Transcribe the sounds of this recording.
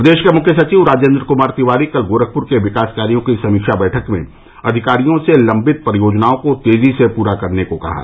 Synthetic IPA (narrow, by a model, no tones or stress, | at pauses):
pd̪eːʃkemʊkʰjəsɐt͡ʃiːʋɾaːd͡ʒjə̃nd̪ɾəkʊmaːɾt̪iʋaːɾikɐlɡoːɾək̚ʰpʊɾkeʋɪkaːskaːɾijõkisɐmiːkʃabɛːʈʰəkmḛ̃ | ɐd̪ʱɪkaːɾijõselɐ̃mbɪt̪̚pɾjoːd͡ʒnaːõkot̪eːzisepuːɾakɐɾnekokɐ̰ɦa̰ː